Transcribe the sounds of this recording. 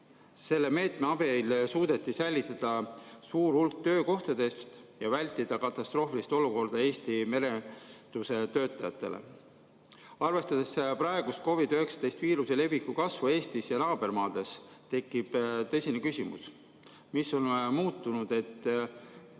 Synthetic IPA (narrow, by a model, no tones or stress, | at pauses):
se̞lːe̞me̞ːt̪me̞ɑb̥e̞ilsuːd̪̥e̞t̪ːˑisæjlʲːit̪ːˑɑd̪̥ɑsuːɾulk̚t̪ø̞ːko̞ht̪ɑd̪e̞st̪jɑvælʲt̪ːˑid̪̥ɑkɑt̪ːˑɑst̪ro̞ːfilist̪o̞luko̞rd̪̥ɑe̞ːsʲt̪ime̞ɾe̞t̪use̞t̪ø̞ːt̪ːˑɑjɑt̪ːˑe̞̰lʔḛ | ɑrve̞st̪ɑd̪̥e̞sprɑeɡ̥ust̪̚ko̞vid̪øɦe̞ksɑ̥d̪̥e̞jst̪viːɾuse̞le̞vikːukɑsvue̞ːst̪isjɑnɑːb̥e̞rmɑːd̪̥e̞st̪e̞kːib̥t̪ɤ̞sʲinekysimṵs | misːo̞nmuːt̪ːˑunud̪̥e̞t̪ː